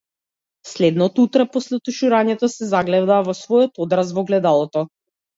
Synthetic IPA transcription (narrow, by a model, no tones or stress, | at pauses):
slɛd̪nɔt̪ut̪ɾapɔslɛt̪uʃuɾaɲɛt̪ɔsɛzaɡlɛvd̪aːvɔsvɔjɔt̪ɔd̪ɾasvɔɡlɛd̪alˠɔt̪ɔ